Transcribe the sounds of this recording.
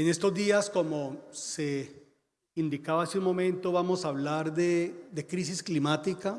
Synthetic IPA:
ene̞st̪o̞zd̪iasko̞mose | ind̪ikaβaasiunmõ̞mẽ̞nt̪o̞βamo̞saβlaɾd̪ed̪e̞kɾisisklimat̪ika

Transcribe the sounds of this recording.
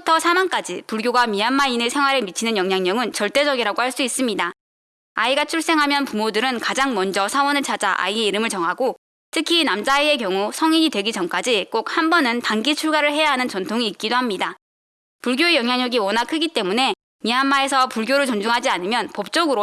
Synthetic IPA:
utʰʌsʰamank͈ad͡ʑipuɭɡjoɡamianmainesʰe̞ŋwaɾɯɭmit͡ɕʰinɯnjʌŋɲjaŋɲʌŋɯnt͡ɕʌɭt͈e̞d͡ʑʌɡiɾaɡohaɭs͈uis͈ɯmɲida | a̰iɡat͡ɕʰuɭs͈e̞ŋɦamjʌnpumodɯɾɯnkad͡ʑaŋmʌnd͡ʑʌsʰawʌnɯɭt͡ɕʰad͡ʑaʔa̰ie̞iɾɯmɯɭt͡ɕʌŋɦaɡo | tʰɯkʰinamd͡ʑaie̞kjʌŋusʰʌŋiɲidwe̞ɡid͡ʑʌnk͈ad͡ʑik͈ok̚hambʌnɯntaŋɡit͡ɕʰuɭɡaɾɯɭɦe̞jaɦanɯnt͡ɕʌntʰoŋiːt̚k͈idoɦhamɲida | puɭɡjoejʌŋjaŋɲʌɡiwʌnakʰɯɡit͈e̞mune̞ | mianmae̞sʰʌpuɭɡjoɾɯɭt͡ɕʌnd͡ʑuŋɦad͡ʑianɯmjʌnpʌp̚t͡ɕ͈ʌɡɯɾo

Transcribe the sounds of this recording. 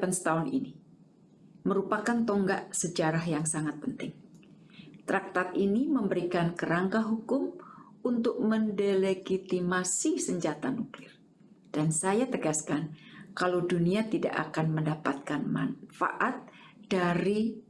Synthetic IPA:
ansə̥t̪aʊnḭni | məɾupakant̪ɔŋɡaʔsəd͡ʒaɾahjaŋsaŋat̪̚pənt̪ɪŋ | t̪ɾak̚t̪at̪iniməmbəɾikankəɾaŋkaɦukʊm | unt̪ʊk̚məndɛleɡit̪imasisəɲd͡ʒat̪anuklɪr | d̥ansajat̪əɡaskankalowduniat̪ida̰ʔa̰kanməndapat̪̚kanma̰nfa̰ʔat̪̚ | d̥aɾi

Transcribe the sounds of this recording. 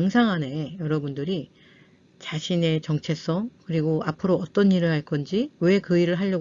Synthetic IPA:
ŋsʰaŋɦane̞jʌɾʌbundɯɾi | t͡ɕaɕʰine̞t͡ɕʌŋt͡ɕʰe̞s͈ʌŋkɯɾiɡoapʰɯɾoʌt͈ʌniɾɯɭɦaɭk͈ʰʌnd͡ʑiwe̞kɯiɾɯɭɦaʎːʌ

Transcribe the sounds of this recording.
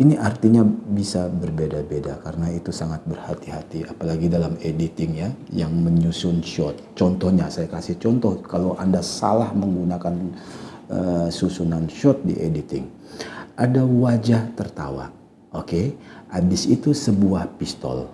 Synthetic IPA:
iniʔart̪iɲabisabərbedabedakaɾənait̪usaŋat̪̚bərhat̪iɦat̪iapalaɡidalamedit̪ɪŋjajaŋməɲusʊnʃɔt̪̚t͡ʃɔnt̪ɔhɲasajakasɪht͡ʃɔnt̪ɔhkaloʔandasa̰lahməŋɡunakan | əsusunanʃɔt̪̚dḭʔedit̪ɪ̰ŋ | ʔadawad͡ʒaht̪ərt̪awa̰ʔ̚ | okeʔabɪsit̪usəbuahpist̪ɔ̰l

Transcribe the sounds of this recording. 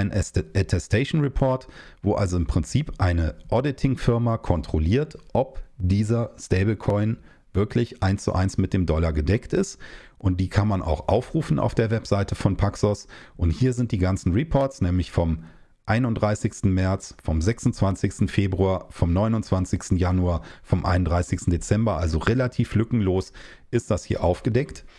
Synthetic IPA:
ɪnɛʔɛtʰɛstʰeɪʃn̩ʁɛpʰɔɐtvoːʔalzoɪmpʁ̥ɪnt͡siːpʔaɪnəʔɔdɪtʰɪŋfɪɐmakʰɔntʁ̥oliːɐtʔɔpd̥iːzɐsteɪbɪlkʰɔʏn | vɪɐkʰlɪçʔaɪnst͡sṵʔa̰ɪnsmɪt̚d̥eːmdɔlaɡədɛktɪstʔʊnt̚d̥iːkʰanmanʔa̰ʊxʔa̰ʊfʁ̥uːfn̩ʔa̰ʊfd̥eːɐvɛpz̥aɪtəfɔnpʰaksɔsʔʊnthiːɐzɪnt̚d̥iːɡant͡sn̩ʁipʰɔɐtt͡snɛːmlɪçfɔm | ʔaɪnʊntdʁaɪsɪçstn̩mɛɐt͡sfɔmzɛksʊn̩t͡sv̥ant͡sɪçstn̩feːbʁuaːɐfɔmnɔʏnʊnt͡sv̥ant͡sɪçstn̩januaːɐfɔmʔa̰ɪnʊndʁaɪsɪçstn̩det͡sɛmbɐʔalzoʁelatʰiːflʏkŋ̩loːs | ʔɪst̚d̥ashiːɐʔaʊfɡ̥ədɛkt

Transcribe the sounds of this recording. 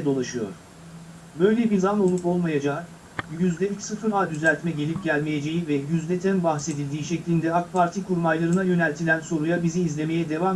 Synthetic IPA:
d̪o̞lˠaʃɯjo̞̰ɾ̥ | bø̞jlʲɛbiɾzano̞lˠupo̞lˠmajad͡ʒaː | jyzlʲɛlʲicsɯfɯɾaːd̪yzælʲt̪mɛɟe̞lʲip̚ɟælʲme̞jed͡ʒe̞jivɛjyzlʲɛt̪ʰænbaxse̞d̪ilʲd̪iːʃɛclʲind̪ɛak̚pʰaɾt̪ʰikʰuɾmajlˠaɾɯnajø̞nælʲt̪ʰilʲænso̞ɾujabiziːzlʲe̞me̞jɛd̪e̞vam

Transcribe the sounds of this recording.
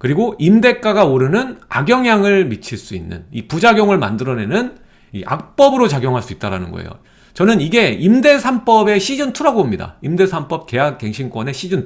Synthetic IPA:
kɯɾiɡoʔimde̞k͈aɡaoɾɯnɯna̰ɡjʌŋjaŋɯɭmit͡ɕʰiɭs͈uinːɯ̰nipud͡ʑaɡjoŋɯɭma̰ndɯɾʌne̞nɯn | ḭʔa̰k̚p͈ʌbɯɾot͡ɕaɡjoŋɦaɭs͈uit͈̚aɾa̰nɯnɡʌ̰ḛjo̰ | t͡ɕʌnɯniɡe̞imde̞sʰamp͈ʌbe̞ɕʰid͡ʑɯntʰuɾaɡomɲida̰imde̞sʰamp͈ʌp̚ke̞jak̚k͈e̞ŋɕʰink͈wʌne̞ɕʰid͡ʑɯn

